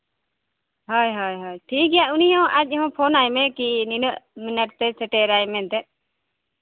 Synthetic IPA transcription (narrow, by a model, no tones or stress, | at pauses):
ɦɔjɦɔjɦɔjʈʰik̚ɡɛjaʔunijɔ̃ʔat͡ʃ̚ˀɦɔ̃pʰɔnajmɛkininəʔminəʈ̚t̪ɛsʰɛʈɛɾajmɛ̃t̪ɛʔ̚